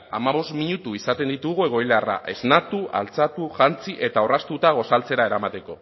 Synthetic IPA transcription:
amaβo̞st̪miɲut̪uisat̪e̞nd̪it̪uɣue̞ɣ̞o̞ilara̰ʔe̞znat̪ua̰lt͡sat̪uʝant͡siʔe̞t̪ao̞rast̪ut̪aɣ̞o̞salt͡se̞ɾae̞ɾamat̪e̞ko̞

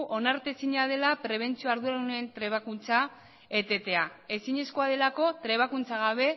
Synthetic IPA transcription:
ʔo̞naɾt̪e̞siɲað̞e̞lapɾe̞β̞e̞nt͡sio̞aɾðuɾauneent̪ɾe̞β̞akunt͡sa | et̪e̞t̪e̞ae̞siɲe̞sko̞aðe̞lako̞t̪ɾe̞β̞akunt͡saɣ̞aβ̞e̞

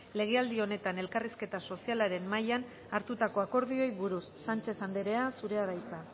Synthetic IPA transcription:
le̞ɣ̞e̞ald̪io̞ne̞t̪ane̞lkariske̞t̪aso̞sialaɾe̞mmajan | aɾt̪ut̪ako̞ako̞ɾð̞io̞jβuɾusːant͡ʃe̞sand̪eɾe̞asuɾe̞aðajt͡sa

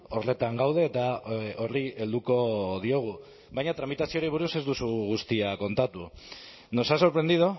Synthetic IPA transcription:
o̞rle̞t̪aŋɡawð̞e̞ːt̪ao̞rie̞ld̪uko̞ð̞io̞ɣ̞u | βajɲat̪ɾamit̪asio̞ɾiβ̞uɾuse̞zd̪usuɣust̪iako̞nt̪at̪u | no̞saso̞ɾpɾend̪iðo

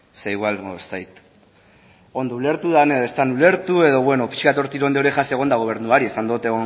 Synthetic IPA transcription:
seiɣwalst̪ajt̪ | o̞nd̪oule̞ɾt̪uðaneest̪anule̞ɾt̪ue̞ðo̞βwe̞no̞pi̥ʃkat̪o̞ɾt̪iɾo̞nd̪eoɾeʝaseɣ̞o̞nd̪aɣ̞o̞β̞e̞ɾnuaɾie̞sand̪ot̪eɣo

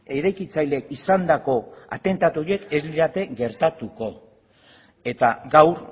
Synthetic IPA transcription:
eɾajkit͡sajlekisand̪ako̞a̰t̪e̞nt̪at̪uoɾie̞ke̞zliɾat̪e̞ɡe̞ɾt̪at̪uko̞ | e̞t̪aɡawɾ

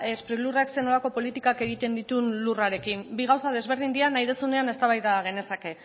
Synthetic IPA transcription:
espɾiɣlurakse̞no̞lako̞po̞lit̪ikake̞ɣ̞it̪e̞nd̪it̪unluraɾe̞kimbiɣ̞awsað̞e̞zβ̞e̞ɾð̞ind̪ianajðesune̞ane̞st̪aβajðaɣ̞e̞ne̞sake̞

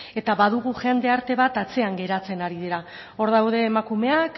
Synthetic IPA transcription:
e̞t̪aβaðuɣ̞uʝe̞nd̪e̞aɾt̪e̞βat̪at͡se̞aŋɡe̞ɾat͡se̞naɾiðiɾa | o̞ɾðawð̞e̞ːmakume̞ak

